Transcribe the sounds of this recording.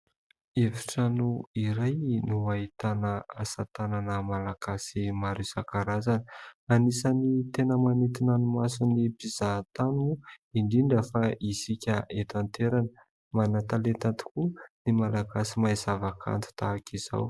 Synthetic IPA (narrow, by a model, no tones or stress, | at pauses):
efi̥ʈ͡ʂanuiɾajnuaɦit̪anəasat̪ananəmalaɡ̥asimaɾusakaɾazani̥anisanit̪enəmanet̪inanumasunipiz̥at̪anuiɳɖ͡ʐiɳɖ͡ʐafaisikʲəʔet̪ant̪eɾanə | manat̪alet̪ant̪i̥kunimalaɡasimajzavakʰa̰nt̪u̥t̪aːkʰiz̥a̰w